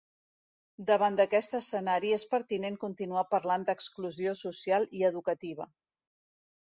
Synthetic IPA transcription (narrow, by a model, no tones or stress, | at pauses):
d̪əβand̪əkɛst̪əsənaɾiespəɾt̪ineŋkunt̪inuapəɾland̪əkskluziosusialˠiəðukət̪iβ̞ə